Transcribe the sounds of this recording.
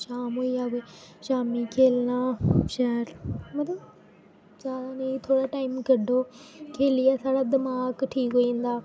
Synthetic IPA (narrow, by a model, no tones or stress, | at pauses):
ʃaːmɦoːiːaːbeʃaːmiːkʰeːlnaːʃɐɦəɾmət̪ləb | d͡ʒaːd̪aːneit̪ʰoːɽaːʈaːɪmɡəɖʱoːkʰeːlɪjaːsaːɽaːd̪ɪmaːkʈʰiːkɦoːĩːnd̪aː